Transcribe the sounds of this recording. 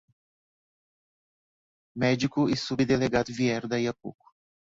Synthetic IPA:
mɛd͡ʒikʊisubid̪eleɡad̪ʊviɛɾd̪ɐiapukʊ̥

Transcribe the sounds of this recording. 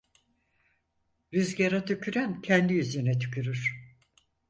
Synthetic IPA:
ɾyzɟeɾat̪ʰycʰyɾæncʰɛnd̪iyzenɛt̪ʰy̥cʰyɾyɾ̥

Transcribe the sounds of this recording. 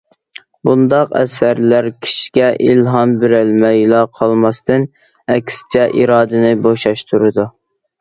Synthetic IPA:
bund̪ɑqɛ̰sæɾlæɾkʲʰi̥ʃi̥ɡʲɛʔilɦɑnbɪɾælmɛjlˠɑqʰɑlˠmɑst̪ɨn | ɛkʲst͡ʃʰɛʔiɾɑːd̪ɨnɪboʃɑʃt̪ʰuɾɨd̪u

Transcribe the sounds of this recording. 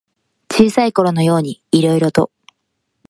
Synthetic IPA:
t͡ɕiːsaiko̞ɾo̞no̞jo̞ːɲ̟iːɾo̞iɾo̞t̪o̞̰

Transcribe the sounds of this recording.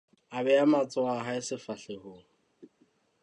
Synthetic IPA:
abɛamat͡sʼɔaɦaɪsɪfaɬehoːŋ̩

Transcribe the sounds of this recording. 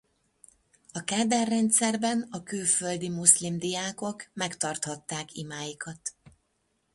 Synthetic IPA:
ɒkaːd̪ɛrːɛnt̪sɛrbɛnɒkylføld̪imuslimd̪ijaːko̞kmɛkt̪ɒrt̪hɒt̪ːaːkimaːjikɒt̪

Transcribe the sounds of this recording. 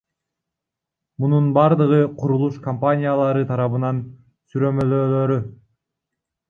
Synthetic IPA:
mununbɑɾd̪ɯʁɯqʰuɾulˠuʃkɐmpanʲijalˠɑɾɯt̪ʰɑɾɑβɯnɑn | syɾø̞mø̞løːløːɾy

